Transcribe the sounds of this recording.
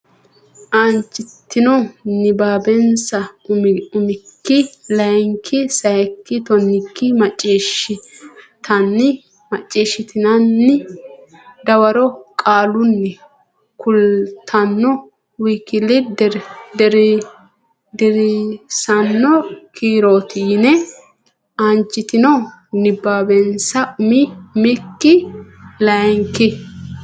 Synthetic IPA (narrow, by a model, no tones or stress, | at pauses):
ʔɐnt͡ʃʼːɪt̪ːɪnɔnɪbaːbɛnsɐ | ʊmɪkːɪlɐjŋkʰɪsɐjɛkːɪt̪ɔnːɪkːɪmɐt͡ʃʼːiːʃɪ | t̪ʰɐnːɪ | mɐt͡ʃʼːiːʃɪt̪ɪnɐnːɪ | d̪ɐwɐɾɔkʼaːlʊnːɛ | kʊlt̪ʰɐnːɔ | wikːɪlɪdd̪ɛɾ | d̪ɪɾɪsɐnːɔkʰiːɾoːt̪iːnɛ | ɐnt͡ʃːɪt̪ɪnɔnɪbːaːbɛnsɐʊmɪmɪkːɪlɐjŋkɪ